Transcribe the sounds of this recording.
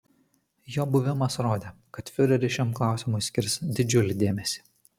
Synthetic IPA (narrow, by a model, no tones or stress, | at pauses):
joːbʊʋʲɪmɐsɾoːd̪ʲeːkɐt̪fʲɪɾʲɛɾʲɪʃʲɛmklˠɑˑʊsʲɪmʊɪsʲkʲɪɾʲsd̪ʲɪd͡ʒʲʊlʲɪd̪ʲeːmʲɛsʲi̥ː